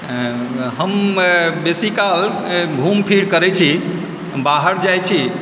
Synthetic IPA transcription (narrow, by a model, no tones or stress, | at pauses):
ɦəmbesikal | bʱumpʰiɽkəɾɛt͡ʃʰi | baɦəɾd͡ʒajt͡ʃʰi